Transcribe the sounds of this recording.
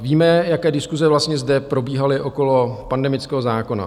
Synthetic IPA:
viːmɛjakɛːdɪskuzɛvlast̪ɲɛzdɛpɾo̞biːɦalɪʔo̞ko̞lopandɛmɪt͡skɛːɦo̞zaːko̞na̰

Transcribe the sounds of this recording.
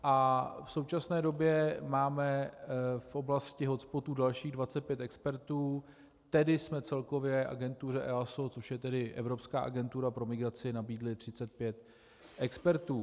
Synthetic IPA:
ʔafso̞wt͡ʃasnɛːdo̞bjɛmaːmɛ | fʔo̞blascɪɦo̞t̪t͡spo̞t̪uːdalʃiːɣdvat͡sɛt̪̚pjɛt̪ɛkspɛɾt̪uː | t̪ɛdɪsmɛt͡sɛlko̞vjɛʔa̰ɡɛnt̪urɛʔɛasot͡so̞ʃjɛt̪ɛdɪʔɛ̰vɾo̞pskaːʔaɡɛnt̪uɾapɾo̞mɪɡɾat͡sɪnabiːdlɪt̪r̝̥ɪt͡sɛt̪̚pjɛt̪ | ʔɛkspɛɾt̪uː

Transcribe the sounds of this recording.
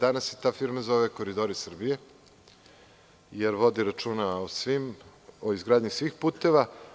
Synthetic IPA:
d̪anaset̪aːfiɾmazo̞ʋeko̞ɾid̪o̞ɾisr̩bije̞ | jeɾʋo̞d̪iɾat͡ʃuːnaosʋimoizɡɾaːd̪ɲisʋixpuːt̪e̞ʋa

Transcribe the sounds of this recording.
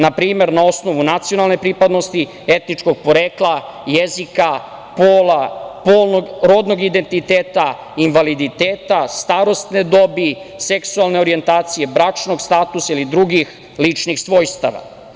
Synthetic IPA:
napɾiːme̞ɾnao̞sno̞ʋunat̪sio̞nalˠne̞pɾipad̪no̞st̪i | et̪nit͡ʂko̞ɡ̚po̞ɾeːklˠa | jezika | poːlapoːlˠnoɡɾo̞d̪no̞ɡid̪e̞nt̪it̪eːt̪a | inʋalid̪it̪eːt̪ast̪aːɾo̞st̪ned̪o̞biseksualˠne̞o̞ɾie̞nt̪aːt̪sije̞bɾat͡ʂno̞ɡst̪aːt̪usailid̪ɾuɡix | lit͡ʂnixsʋo̞jst̪a̰ʋa̰

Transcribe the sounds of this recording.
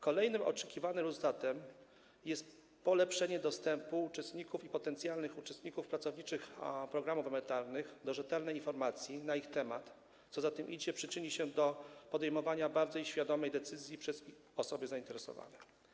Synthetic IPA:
kɔlɛjnɘmɔ̰t͡ʂɛkʲivanɘmɾuzt̪at̪ɛm | jɛst̪ | pɔlɛpʂɛɲɛd̪ɔst̪ɛmpuːt͡ʂɛst̪ɲikufipɔt̪ɛnt̪sʲjalnɘxut͡ʂɛst̪ɲikufpɾatsɔvɲit͡ʂɘxpɾɔɡɾamuvɛmɛɾt̪aɾnɘxd̪ɔʐɛt̪ɛlnɛjinfɔɾmat̪sʲjinaixt̪ɛmat̪ | t̪sɔzat̪ɘmʔid͡ʑɛpʂɘt͡ʂɘɲiɕɛd̪ɔpɔd̪ɛjmɔvaɲabaɾzɔjɕfʲjad̪ɔmɛjd̪ɛt̪sɘzʲjipʂɛz | ɔsɔbɘzaint̪ɛɾɛsɔ̰va̰nɛ

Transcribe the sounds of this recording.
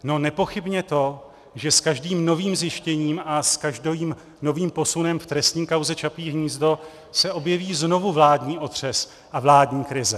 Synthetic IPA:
no̞nɛpo̞xɪbɲɛt̪o̞ | ʒɛskaʒdiːmno̞viːmzjɪʃcɛɲiːmaskaʒdoviːm | no̞viːmpo̞sunɛmft̪ɾɛst̪ɲiːkawzɛt͡ʃapiːɦɲiːzdo̞ | sɛʔo̞bjɛviːzno̞vuvlaːdɲiːʔo̞t̪r̝̥ɛs | ʔavlaːdɲiːkɾɪzɛ

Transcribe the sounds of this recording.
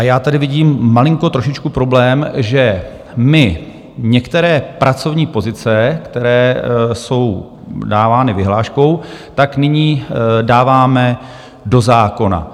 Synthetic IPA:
ʔajaːt̪adɪvɪɟiːmːalɪŋko̞t̪ɾo̞ʃɪt͡ʃkupɾo̞blɛːmʒɛ | mɪ | ɲɛkt̪ɛɾɛːpɾʔat͡so̞vɲiːpo̞zɪt͡sɛkt̪ɛɾɛːso̞w | daːvaːnɪvɪɦlaːʃko̞wt̪aknɪɲiːdaːvaːmɛ | do̞zaːko̞na̰

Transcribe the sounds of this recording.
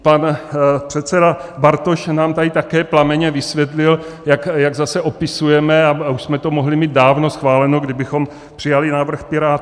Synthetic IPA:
panpr̥ɛt̪sɛdabaɾt̪o̞ʃnaːmt̪adɪt̪akɛːplamɛɲɛvɪsvjɛt̪lɪljakjaɡzasɛʔopɪsujɛmɛauʃsmɛt̪o̞moɦlɪmiːd̪̚daːvno̞sxvaːlɛnoɡdɪbɪxo̞m | pr̝̥ɪjalɪnavr̩xpɪɾaːt̪

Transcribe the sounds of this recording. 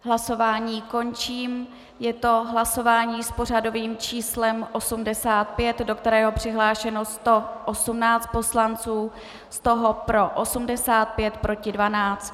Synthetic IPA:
ɦlaso̞vaːɲiːko̞nt͡ʃiːm | jɛt̪o̞ɦlaso̞vaːɲiːspo̞r̝ado̞viːmt͡ʃiːslɛmʔo̞sumdɛsaːt̪̚pjɛt̪do̞kt̪ɛɾɛːɦo̞pr̝̥ɪɦlaːʃɛno̞st̪o̞ʔosumnaːt͡st̪̚po̞slant͡suː | st̪o̞ɦo̞pɾo̞ʔosumdɛsaːt̪̚pjɛt̪pɾo̞cɪdvanaːt͡st̪

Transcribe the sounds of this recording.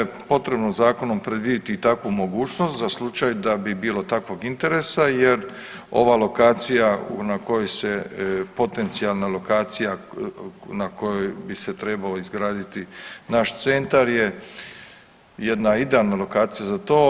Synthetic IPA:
epo̞t̪ɾebnozaːko̞no̞mpɾed̪ʋiːd̪it̪it̪akʋumo̞ɡuːt͡ʃno̞st̪zaslˠut͡ʃajd̪abibiːlo̞t̪akʋo̞ɡint̪e̞ɾe̞sajeɾ | o̞̰ʋalˠo̞kaːt̪sijaṵnako̞jojsepo̞t̪e̞nt̪sialˠnalˠo̞kaːt̪sija | nako̞jojbiset̪ɾe̞balaizɡɾaːd̪it̪inaʃt̪se̞nt̪aɾje̞ | jed̪naid̪ealnalo̞kaːt̪sijazat̪o̞ː

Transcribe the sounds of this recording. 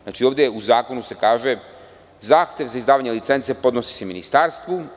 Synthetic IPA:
naːt͡ʃioːʋd̪jeuzaːko̞nuse̞kaːʒe̞ | zaːxt̪ʲje̞ʋzaizd̪aːʋaɲelit̪se̞nt̪se̞po̞d̪nosi̥seminist̪aːɾst̪ʋu

